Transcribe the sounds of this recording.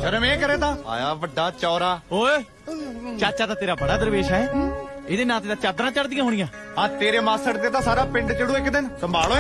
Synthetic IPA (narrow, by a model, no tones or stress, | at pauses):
ʃəɾəmɛ̃ːkəɾẽːt̪ãːa̰ːjaːʋəɖːaːt͡ʃɔːɾaːoː | t͡ʃaːt͡ʃaːt̪ãːt̪eːɾaːbəɽ̃aːd̪əɾʋeːʃaːɦɛːɪd̪eːnãːt̪eːt̪ãːt͡ʃaːd̪ɾãːt͡ʃəɽd̪ɪjãːɦoːɽ̃ɪjãː | ãːt̪eːɾeːmaːsəɽd̪eːt̪ãːsaːɾaːpɪ̃ɳɖt͡ʃəɽũːɪkd̪ɪnsəmbʱaːloː